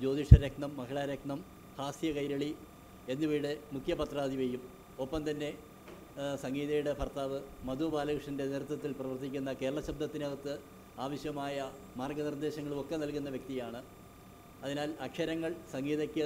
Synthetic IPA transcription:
d͡ʑo̞ːd̪iʂɐɾeknɐmːɐkiɭaɾekɳɐm | haːsjɐkɐjɾɐɭi | e̞nːuʋiːɽɨmukʰjɐpɐt̪raːd̪iʋejːum | o̞pːɐmt̪ɐnːe̞ | sɐŋɡiːðɐjuɽe̞pʰɐrt̪aːʋɨmɐd̪ubaːlɐkrɨʂɐnde̞neɾut̪ːɐt̪ːilprɐʋɐrt̪ːikʲːunːɐke̞ːɾɐɭɐɕɐb̚d̪ʱɐt̪ːinɐɣɐt̪ːɨ | aːʋɐɕjɐmaːjɐ | maːrɡɐnird̪e̞ːɕɐŋːɐɭumo̞kːe̞nɐlkunːɐʋjɐk̚t̪ijaːɳɨ | ɐðinaːlɐkʂɐɾɐŋːɐɭsɐŋɡiːðɐkʲːɨ

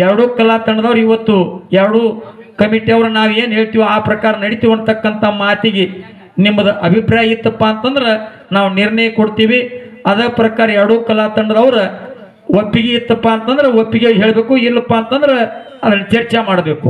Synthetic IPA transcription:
ɛɾɐɽoːkɐlaːt̪ɐɳɖɐd̪ɐʋɐɾɐiʋɐt̪ːuɛɾɐɽoː | kɐmiʈiɐʋɐɾɐnaːʋue̞ːnɦeːɭt̪iːʋuaːpɾɐkaːɾɐnɐɽit̪iʋɐɳt̪ɐkːɐnt̪ʰɐmaːt̪iɡe | nimːɐd̪ɐʔɐbʱipɾaːjɐit̪ːɐpːaːnt̪ɐnd̪ɐɾe | naːʋuniɾɳɐjɐkoɽt̪iːʋiɐd̪ɐːpɾɐkaːɾɐɛɾɐɽoːkɐlaːt̪ɐɳɖɐd̪ɐʋɐɾɐ | opːiɡeit̪ːɐpːaːnt̪ɐnd̪ɐɾeopːiɡeɦe̞ːɭɐbe̞ːkuilːɐpːaːnt̪ɐnd̪ɐɾe | ɐd̪ɐnːɐt͡ʃɐɾt͡ʃemaːɽɐbe̞ːku

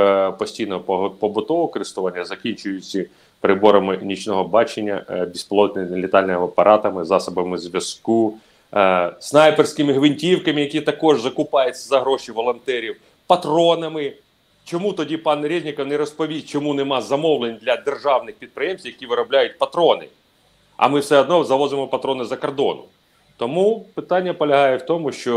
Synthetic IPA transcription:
pɔsʲtʲijnɔɦpɔbʊt̪ɔʋɔkɔɾɪst̪ʊʋɑnʲːɐzɐkʲinʲt͡ʃʊjʊt͡sʲːi | pɾɪbɔɾɐmɪnʲit͡ʃnɔɦɔbɑt͡ʃenʲːɐ̰bʲispɔlˠɔnʲlʲɪt̪ɑlʲnɔmɪɐpɐɾʔɑt̪ɐmɪzɑsɔbɐmɪzʲʋʲjɐsku | snɑjpersʲkɪmɪɦʋɪnʲtʲiwkɐmɪjɐkʲit̪ɐkɔʒzɐkʊpɑjɪt͡sʲːɐzɐɦɾɔʃiʋɔlˠɔnt̪ɛɾʲiw | pɐt̪ɾɔnɐmɪ | t͡ʃɔmut̪ɔdʲipɑnɾʲizʲnʲɪkɐwnɛɾɔspɔʋʲijʲt͡ʃɔmunɛmɑzɐmɔwlˠenʲd̪lʲɐd̪erʒɑwnɪxpʲid̪̚pɾɪjemsʲt̪ʲwjɐkʲiʋɪɾɔblʲajʊt̚ʲpɐt̪ɾɔnɪ̰ | ɐ̰mɪwsɛɔd̪nɔzɐʋɔzɪmɔpɐt̪ɾɔnɪzɐkɐrd̪ɔ̰nʊ̰ | t̪ɔmupɪt̪ɑnʲːɐpɔlʲɐɦɑjɛwt̪ɔmʊʃt͡ʃɔ

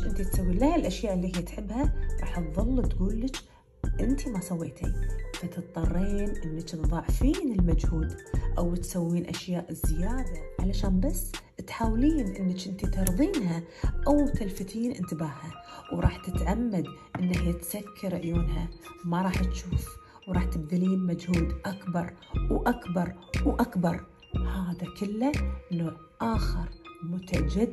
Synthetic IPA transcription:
ʔɪnt̪it̪sawːiːlaːɪlʔaʃjaːʔɪlːiːhɪjːat̪ħɪbːhaɾˤɑ̰ːħt̪ðˤɑlːt̪ɡuːlːɪt͡ʃ | ʔɪnt̪imasawːeːt̪ḭfat̪ɨt̪ˤːɑrˤːiːnʔɪnːɪt͡ʃðˤɑʕfiːnɪlmad͡ʒhuːd̪ʔawt̪sawːiːnʔaʃjaːʔɪzːɪjaːd̪aʕalaʃaːnbasː | t̪ħaːwliːnʔɪnːɪt͡ʃʔɪnt̪it̪ɑɾˤðˤiːnɦa | ʔawt̪alft̪iːnʔɪ̰nt̪ɪbaːhawɾˤɑːħt̪ɪt̪ʕamːad̪ʔɪnːahjat̪sakʰːɪɾɪʕjoːnhamaɾˤɑːħt̪ʃuːf | wɾˤɑːħt̪ɪb̚d̪ɪliːnmad͡ʒhuːd̪ʔakbɑɾˤwʔakbɑɾˤwʔakbɑɾˤ | haːðakɪlːaʔɪnːʊ | ʔaːxɪɾˤmʊt̪ad͡ʒad̪

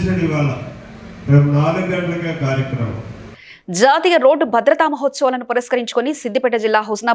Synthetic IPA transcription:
ʃɐniʋaːɭɐ | pemunaːlɐɡɐɖlɐɡaːkaːɾjɐkɾɐmɐ̰m | d͡ʒaːt̪ijɐɾo̞ːɖbʱɐd̪ɾɐt̪aːmɐɦot̪sɐʋlɐnupɐɾɐskɐɾiɲt͡ʃu̥konisid̪ːipɛʈːɐd͡ʒilːaːɦɐsnaː

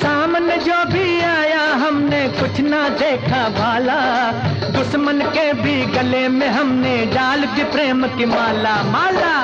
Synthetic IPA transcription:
saːmned͡ʒoːbʱiaːjaɦɐmnekʊt͡ʃʰnad̪eːkʰabʱaːla | d̪ʊsmənkebʱiɡɐlemẽɦɐmneɖaːld̪ɪpɾeːmkimaːlamaːlaː

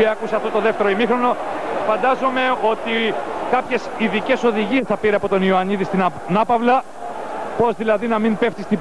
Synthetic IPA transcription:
iɐkuseɐft̪o̞t̪oðe̞ft̪e̞ɾoimixɾo̞no̞fɐnd̪ɐzome̞o̞t̪ikɐpçe̞siðice̞so̞ðiʝie̞sθɐpiɾeɐpo̞t̪o̞nioɐniðist̪i | nɐpɐvlɐ | po̞zðilɐðinɐmimpe̞ft̪ist̪i

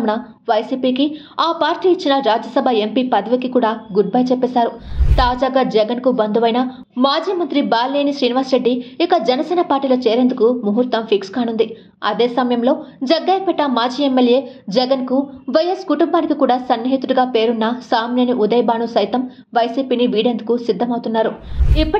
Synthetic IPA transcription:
mnɐ | ʋɐjsiːpiːki | aːpaːɾʈiːit͡ʃːinɐɾaːd͡ʒjɐsɐbʱɐempiːpɐd̪ɐʋikikuːɽaːɡuɖ̚bɐːjt͡ʃɛpːeːsaːɾut̪aːd͡ʒaːɡaːd͡ʒɛɡɐnkubɐnd̪uʋɐjnɐ | maːd͡ʒiːmɐnt̪ɾibaːlːeːniʃɾiːniʋaːsɾeɖːiikɐd͡ʒɛnɐsɛːnɐpaːɾʈːiːlɐt͡ʃɛːɾend̪ukumuɦuɾt̪ɐmpʰikskaːnund̪i | ɐd̪eːsɐmɐjɐmlo̞ːd͡ʒɐɡːɐːjpɛʈːɐmaːd͡ʒiːemːeljeːd͡ʒɛɡɐnkuʋɐjeskuʈumbaːnikikuːɽaːsɐnːjɐɦit̪uɽuɡaːpe̞ːɾunːɐsaːmneːniʔud̪ɐjbaːnusɐjt̪ɐm | ʋɐjsiːpiːniʋiːɽe̞nd̪ukusid̪ʱːɐmɐwut̪unːaːɾuipːɐ

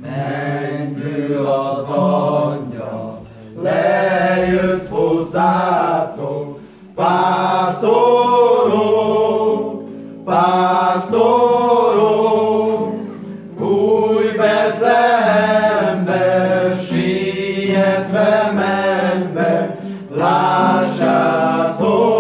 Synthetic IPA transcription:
mɛɲd̪ølɔzɒɲːɒ̰l | lɛjøt̪hozːaːt̪ok | paːst̪oɾo | past̪oɾo | ɡujvɛt̪lɛɦɛmbɛʃi | ɛt̪ʋɛmɛmbɛ | laʃːat̪o

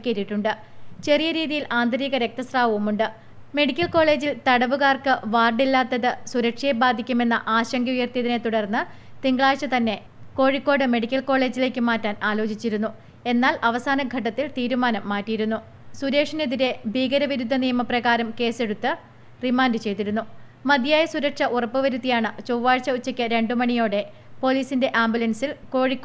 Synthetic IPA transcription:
kʲːeɾiʈːuɳɖɨ | t͡ɕe̞rijɐɾiːðijilʔaːnd̪ʱɐɾiːɣɐɾek̚t̪ɐsraːʋɐʋumuɳɖɨ | me̞ɽikʲːɐlko̞ːɭe̞ːd͡ʑilt̪ɐɽɐʋuɣaːrkɨʋaːrɖilːaːt̪ːɐðɨsuɾɐkʂijebaːd̪ʱikʲːume̞nːɐ̰ʔaːɕɐŋɡɐujɐrt̪ijɐðine̞t̪uɽɐrnːɨ | t̪iŋɡɭaːɕɨt̪ɐnːe̞ | ko̞ːɻikːo̞ːɽɨme̞ɽikʲːɐlko̞ːɭe̞ːd͡ʑile̞ːkʲːɨmaːtːaːnaːlo̞ːt͡ɕit͡ɕːiɾunːu | e̞nːaːlʔɐʋɐsaːnɐɡʱɐʈ̬ːɐt̪ːilt̪iːɾumaːnɐmːaːtːijiɾunːu | suɾe̞ːkʂɐneðiɾe̞bʱiːɡɐɾɐʋiɾud̪ʱːɐnijɐmɐprɐɣaːɾɐmke̞ːse̞ɽut̪ːɨ | rimaːndɨt͡ɕe̞jt̪iɾunːumɐd̪ʱijaːjɐsuɾɐkʂɐʔurɐpːɨʋɐɾut̪ːijaːɳɨt͡ɕowʋaːɻt͡ɕːɐut͡ɕːɐkʲːɨɾe̞ɳɖɨmɐɳijo̞ːɽe̞ | po̞ːliːsinde̞ʔaːmbjulɐnsilko̞ːɻikː

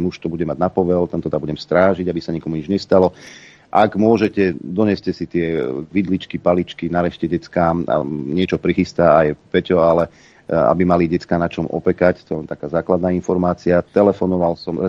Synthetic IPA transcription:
muʃt̪ɔbuɟɛmaɟnapɔʋɛlt̪ɛnt̪ɔd̪abuɟɛmst̪ɾaːʒiɟabisaɲɛkɔmuɲid͡ʒɲɛst̪alɔ | ʔaɡmʊɔʒɛcɛd̪ɔɲɪɛscɛsit̪ɪɛʋid̪lit͡ʃkipalit͡ʃkinaɾɛʃcɛɟɛt͡skaːma̰ɲɪɛt͡ʃɔpɾixist̪aːajpɛcɔalɛ | a̰bimaliɟɛt͡skaːnat͡ʃɔmʔɔ̰pɛkact̪ɔlɛnt̪akaːzaːklad̪naːinfɔɾmaːt͡siat̪ɛlɛfɔnɔʋalsɔmɛ

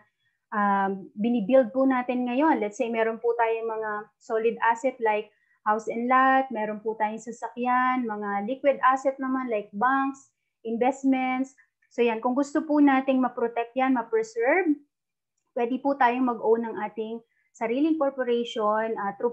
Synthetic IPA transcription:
ʔabɪnɪbild̪̚pʊnaːt̪ɪnŋɐjo̞nlɛt̪sejmɛːɾonpʊt̪aːjoŋmɐŋa | soːlɪd̪ʔasɛt̪lajk̚ | hawsɛnd̪lat̪̚mɛːɾonpʊt̪aːjoŋsɐsɐkjanmɐŋalikwɪd̪ʔasɛt̪̚nɐmanlajk̚baŋks | ʔɪnbɛst̪mɛnt̪sː | ojankʊŋɡʊst̪opʊnaːt̪ɪŋmɐpɾot̪ɛk̚t̪̚janmɐpɛɹsɛɹb̚ | pwɛːd̪ɪpʊt̪aːjoŋmɐɡʔownɐŋʔaːt̪ɪŋ | sɐɾiːlɪŋkoɹpoɾɛjʃonʔɐt̪ɾu

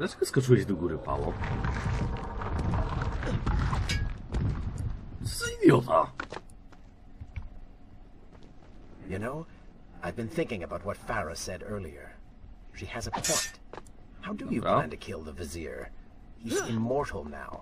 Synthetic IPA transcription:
ðæskʌskətʰwid̪əɡuɾɨpa̰lo̰ | siðioa̰ | jɨnoʊ | aɪvbɨ̃nθɪ̃ŋkɪ̃ŋɨbaʊt̚wʌtfæɹɨsɛɾɜ˞lˠiə̰˞ | ʃiɨzɨpʰɔ̃ɪ̃nt | haʊdɨjɨplãɪ̃ntɨkʰɪlˠðəvɨzɪ̰ɹ | hizɪmɔɹɾl̩ˠna̰ʊ

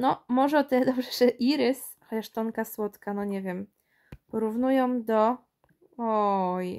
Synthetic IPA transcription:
nɔmɔʐɛɔt̪ɛd̪ɔbʐɛʐ̥ɛʔiɾɘs | xɔt͡ɕaʂt̪ɔŋkaswɔt̪kanɔɲɛvʲjɛm | pɔɾuvnujɔ̃md̪ɔ | ɔj

